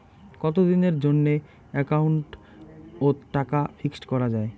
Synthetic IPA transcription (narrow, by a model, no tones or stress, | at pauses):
kɔt̪od̪ineɾd͡ʑonːe | ɛkauɳʈ | oʈakafʰiksʈkɔɾad͡ʑae